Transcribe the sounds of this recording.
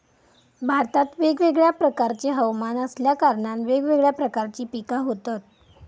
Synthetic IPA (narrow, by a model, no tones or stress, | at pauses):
bʱaɾt̪at̪ʋeɡʋeɡɭjapɾəkaɾt͡ɕeɦəʋmanəsljakaɾɳanʋeɡʋeɡɭjapɾəkaɾt͡ɕiːpikaɦot̪at̪̚